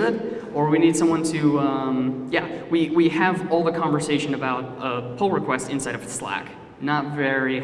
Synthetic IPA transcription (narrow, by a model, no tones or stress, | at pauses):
ɪɾə˞winid̥sʌ̃mwʌ̃ntʰɨʌ̃mjæwiwiɨvɔlˠðəkʰɑ̃ɱvə˞seɪʃɨ̃nɨbaʊt̚əpʰʊlˠɹəkʰw̥ɛstɨ̃nsaɪɾʌvəslæ̰k | nətvɛɹi